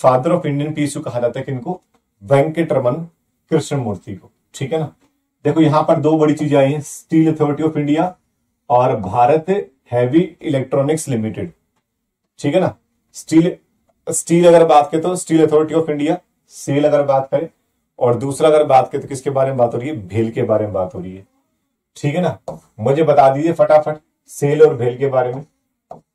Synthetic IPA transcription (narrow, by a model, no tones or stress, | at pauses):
faːd̪əɾɔːfɪ̃ɳɖijənpiːsukɐɦad͡ʒaːt̪aɦɛkeɪnko | bɛ̃ːŋkːeʈɐɾmən | kɾɪʃə̃mʊːɾt̪iko̥ː | ʈʰiːkɦɛːnaː | d̪eːkʰojɐɦãpɐɾd̪oːbɐɽit͡ʃiːd͡ʒaːiɦɛ̃sʈiːlɐt̪ʰɔːɾɪʈiɔːpɪ̃ɳɖija | ɔːɾbʱaːɾət̪e | hɛːʋiɪleːk̚ʈɾɔːnɪkslɪmɪʈɪ̰ɖ | ʈʰiːkɦɛnaː | sʈiːl | sʈiːlɐɡəɾbaːt̪ket̪osʈiːlɐt̪ʰɔːɾɪʈiɔːfɪ̃ɳɖija | seːlɐɡəɾbaːt̪kɐɾẽː | ɔːɾd̪uːsɾaɐɡəɾbaːt̪keet̪okɪskebaːɾemẽbaːt̪ɦoːɾiɛbʱeːlkebaːɾemẽbaːt̪ɦoːɾəiɦɛː | ʈʰiːkɦɛnaː | mʊd͡ʒʱebɐt̪ad̪iːd͡ʒiefɐʈafʰɐʈ | seːlɔːɾbʱeːlkebaːɾemẽ